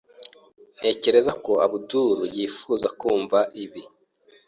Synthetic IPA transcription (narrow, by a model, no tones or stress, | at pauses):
n̥e̞ːce̞ɾe̞zako̞aβuduɾujiːfuːzakuːɱvaʔiβi